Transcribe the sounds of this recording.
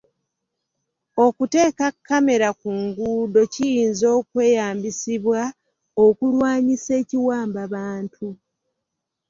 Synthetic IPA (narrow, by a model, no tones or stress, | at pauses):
o̞kute̞ːkakːame̞ɾakuŋɡuːdo̞cijiːnzo̞ːkwe̞ːjaːmbisiβwa | okulwaːɲise̞ːciwaːmbaβaːntʰu